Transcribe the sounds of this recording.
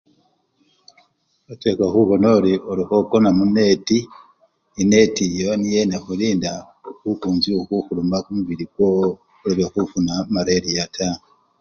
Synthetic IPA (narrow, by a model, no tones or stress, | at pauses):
otekaxuβonoɾioɾuhokonamunetiː | ne̞tijonijenaxuliːnda | kukuːnziokuxulumakumuβiɾiɡwo | ɾiβexufunamaɾeɾijatʰa